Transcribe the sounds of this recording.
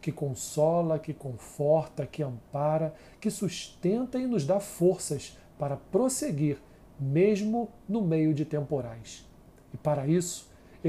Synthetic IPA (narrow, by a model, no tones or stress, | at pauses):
kɪkõsɔlɐkɪkõfɔɾt̪ɐkɪɐ̃mpaɾɐ | kɪsuʃt̪ẽnt̪ɐɪnʊzd̪afoɾsɐs | paɾɐpɾoseɡiɾ | meʒmʊ | nʊmejʊd͡ʒɪt̪ẽmpoɾajs | ɪpaɾɐisʊ̥